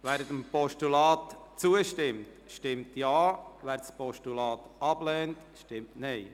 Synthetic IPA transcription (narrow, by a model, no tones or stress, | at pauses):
ʋæːɾətəmpɔʃtulɑːtt͡suəʃtɪmt | ʃtɪmtjɑːvæːɾspɔʃtulɑːt̪ɑblɛːnt | ʃtɪmtnɛɪ